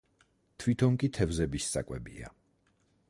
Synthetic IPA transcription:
t̪ʰvit̪ʰɔŋkʼit̪ʰɛvzɛbissʼa̰kʼwɛ̰bḭa̰

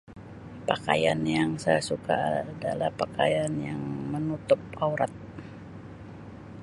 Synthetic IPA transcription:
paka̰janjaŋsajasuka̰dalahpakajanjaŋmənut̪ʊp̚auɾat̪̚

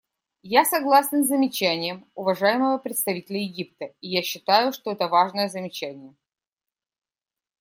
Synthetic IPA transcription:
jasɐɡlˠasʲnzəmʲɪt͡ɕænʲɪjəmʊvɐʐajɪməvəpɾʲɪt̪st̪ɐvʲitʲɪlʲəjɪɡʲip̚t̪əɪjaɕːɪt̪ajʊʂt̪oɛt̪əvaʐnəjəzəmʲɪt͡ɕænʲɪjə

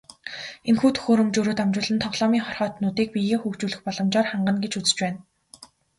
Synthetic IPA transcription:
enxuːt̪ʰɵ̥xoːɾɵ̆mt͡ɕoːɾoːt̪amt͡ɕʊːɮɘ̆nt̪ʰɔʁɮɔːmiːŋχɔrχɔːt̪nʊːt̪iːk̚pijeːxukt͡ɕuːɮɘ̆xpɔɮɞ̆mt͡ɕɔːrχaɴɢə̆nɡet͡ɕut͡sɘ̥̆t͡ɕpæːn

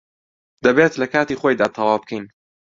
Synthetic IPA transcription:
d̪̥ɐbeːt̪lɐkaːt̪iːχojd̪aːt̪ʰɐwaːwb̚kʰɛjn

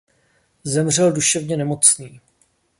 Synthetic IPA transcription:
zɛmr̝ɛlduʃɛvɲɛnɛmo̞t͡sniː

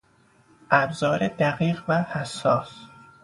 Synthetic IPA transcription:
ʔæbzɒːɾed̪æɣiːɢvæhæsːɒːs

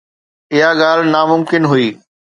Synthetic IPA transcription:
ɪɦaɠaːlnaːmʊmkɪnɦuiː

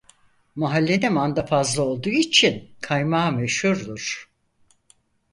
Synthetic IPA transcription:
maɦalʲːenɛmand̪afazlˠao̞lˠd̪uːit͡ʃʰinkʰajmaːmeʃhuɾd̪uɾ̥

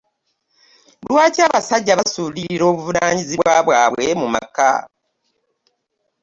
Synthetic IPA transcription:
lwaːcaːβasaɟːaβasuliɾiɾo̞ːβuvunaːɲiziβwaːβwaːβwe̞muma̰ka̰

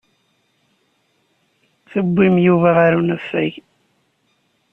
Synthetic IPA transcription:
θəbʷːimjuvaʁaɾunæfːæʝ

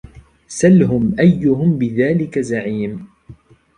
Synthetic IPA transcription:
salɦʊmʔajːʊɦʊmbɪðaːlɪkazaʕiːm

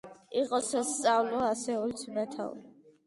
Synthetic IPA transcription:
iqʼɔsast̪sʼavlɔasɛɔlt̪sʰmat̪ʰa̰l

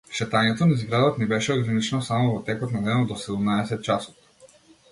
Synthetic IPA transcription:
ʃɛt̪aɲɛt̪ɔnaizɡɾad̪ɔt̪nibɛʃɛɔɡɾanit͡ʃnɔsamɔvɔt̪ɛkɔt̪nad̪ɛnɔd̪ɔsɛd̪umnaɛsɛt̪̚t͡ʃasɔ̥t̪

